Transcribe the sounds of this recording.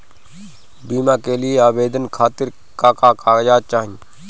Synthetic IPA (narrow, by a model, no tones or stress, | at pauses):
biːmãːkeːlɪeaːbeːd̪ənkʰaːt̪ɪɾ | kaːkaːkaːjaːt͡ʃaːɦĩ